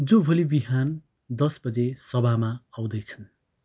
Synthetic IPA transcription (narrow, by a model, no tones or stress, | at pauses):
d͡zobʱolibiɦan | d̪ʌsbʌd͡zesʌbamaaw̃d̪ʌjt͡sʰʌ̥n